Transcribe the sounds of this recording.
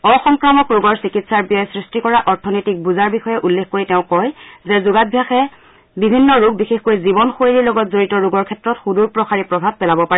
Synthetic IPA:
ɔxɔŋkɹamɔkɹuɡɔɹsikitsaɹbijɔjsɹistikɔɹaʔɔɹtʰɔnɔjtik̚buzaɹbixɔjɛʔulːexkoɹitɛʊ̃kɔjzɛzʊɡabʱjaxɛ | bibʱinːɔɹuɡ̚bixexkojzibɔnxoeɹilɔɡɔtzoɹitɔɹuɡɔɹkʰɛtɹɔtxuduɹpɹɔxaɹipɹɔbʱab̚pɛlabɔpaɹɛ

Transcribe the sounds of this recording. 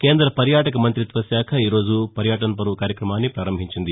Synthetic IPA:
keːnd̪ɾɐpɐɾjaːʈɐkɐmɐnt̪ɾit̪ʋɐsjaːkʰɐiːɾo̞ːd͡ʒupɐɾjaːʈɐnɐp̬ɐɾukaːɾjɐkɾɐmaːnːipɾaːɾɐmbʱiɲt͡ʃind̪i

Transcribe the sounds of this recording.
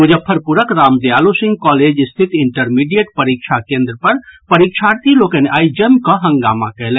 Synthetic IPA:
mʊd͡ʒəpʰəɾpuɾəkɾaːmd̪eaːlosɪ̃ŋɡ̚kɔːleːd͡ʒɪst̪ʰɪt̪ɪɳʈəɾmiɖijeʈ̚pəɾikʃʰakẽːnd̪ɾəpɐɾpəɾikʃʰaːɾt̪iloːkəneʔaːid͡ʒəmkɔɦɐ̃ŋɡaːma̰kɛɦlɛ̃

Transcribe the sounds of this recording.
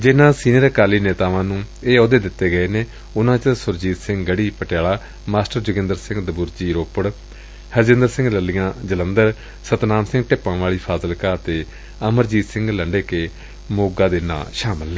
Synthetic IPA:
d͡ʒɪnãːsiːniːɾkaːliːneːt̪aːʋãːnũːeːoːd̪eːd̪ɪt̪ːeːɡəeːneː | ʊnãːt͡ʃəsʊɾd͡ʒiːt̪sɪ̃ŋɡɡəɽiːpəʈjaːɭaː | maːsʈəɾd͡ʒʊɡɪ̃nd̪əɾsɪ̃ŋɡd̪əbuɾd͡ʒiːɾoːpəɽ | həɾd͡ʒɪ̃nd̪əɾsɪ̃ŋɡləlːijãːd͡ʒələnd̪əɾ | sət̪naːmsɪ̃ŋɡʈɪpãːʋaːɭiːpʰaːsəlkaːɾt̪eː | əməɾd͡ʒiːt̪sɪ̃ŋɡləɳɖeːkeː | moːɡaːd̪eːnã̰ːʃaːməlːeː

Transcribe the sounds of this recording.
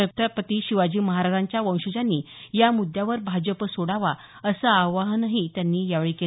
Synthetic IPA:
əkt̪əpət̪iːɕiʋad͡ʑiːməɦaɾad͡ʑaɲt͡ɕjaʋə̃w̃ɕud͡ʑanːiːjamud̪ʱjaʋəɾbʱad͡ʑəpsoɽaʋa | əsəaʋaɦnaɦit̪janːiːjaʋeɭiːke

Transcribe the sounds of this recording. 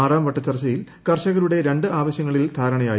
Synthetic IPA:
aːraːmʋɐʈːɐt͡ɕːɐrt͡ɕːɐjil | kɐrɕɐɣɐɾuɽe̞ɾe̞ɳɖɨaːʋɐɕjɐŋːɐɭild̪ʱaːɾɐɳɐjaːj

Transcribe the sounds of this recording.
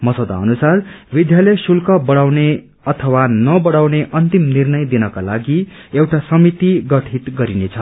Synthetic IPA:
mʌsʌd̪a̰ʌnusarbid̪jalʌjsulkʌbʌɽawne | ʌt̪ʰʌwanʌbʌɽawneʔʌnt̪imnirnʌjd̪inʌkalaɡi | ewʈasʌmit̪iɡʌʈʰit̪ɡʌɾinet͡sʰʌ

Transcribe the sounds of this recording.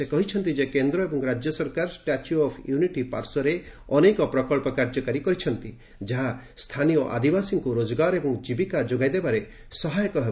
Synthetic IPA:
sekɔɦit͡ʃʰɔnt̪id͡ʒekend̪ɾɔebɔŋɾad͡ʒjɔsɔɾkaɾɔsʈat͡ʃuɔpʰjuniʈipa̰ɾsɔɾe | ɔnekɔpɾɔkɔɭpɔkaɾd͡ʒɔkaɾikɔɾit͡ʃʰɔnt̪i | d͡ʒaɦa | st̪ʰanijɔʔa̰d̪ibasiŋkuɾod͡ʒɔɡaɾɔebɔŋd͡ʒibikad͡ʒoɡajd̪ebaɾe | sɔɦajɔkɔɦeb

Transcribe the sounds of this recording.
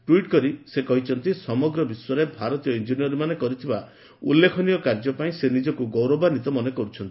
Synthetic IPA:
ʈwiʈkɔɾisekɔɦit͡ʃʰɔnt̪isɔmɔɡɾɔbiswaɾebʱaɾɔt̪ijɔind͡ʒiniɔɾimanekɔɾit̪ʰiba | ṵlːekʰɔniɔkaɾd͡ʒɔpaĩsenid͡ʒɔkuɡowɾɔbanit̪ɔmɔnekɔɾut͡ʃʰɔnt̪i̥

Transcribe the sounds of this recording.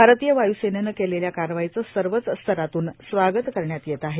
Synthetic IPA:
bʱaɾt̪ijəʋajusenənəkeleljakaɾʋajit͡səːsəɾʋət͡sst̪ʰəɾat̪uːnsʋaɡət̪kəɾɳjat̪jet̪aɦe

